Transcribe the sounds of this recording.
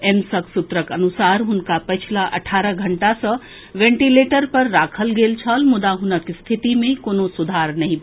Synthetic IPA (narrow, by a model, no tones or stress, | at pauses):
emsəksut̪ɾəkənusaɾɦunkapət͡ʃʰilaʔɐ̰ʈʰaːɾəɡʱəɳʈasə | ʋeɳʈileʈəɾpɐɾːakʰəlɡelt͡ʃʰəlmud̪aɦunəkst̪ʰit̪imẽkonosud̪ʱaɾnɐɦĩ